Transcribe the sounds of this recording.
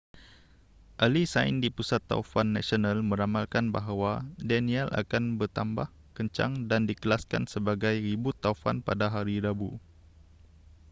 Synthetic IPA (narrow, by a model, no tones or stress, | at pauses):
ʔalisaɪ̰ndipusat̪ːa̰ufanːasionalmə̃ɾamalkanbaɦawadɛniɛlʔa̰kanbərt̪ambah | kəɲt͡ʃa̰ŋdandikəlaskansəbaɡajribʊt̪ːaufa̰npadaɦaɾiɾabu